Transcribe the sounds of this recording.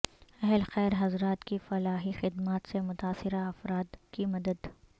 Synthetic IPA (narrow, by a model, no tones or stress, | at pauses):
ɛɦlxɛːɾɦɐzɾaːt̪kifɐlaːɦixɪd̪maːt̪semʊt̪aːsɪɾaɐfɾaːd̪kimɐd̪əd̪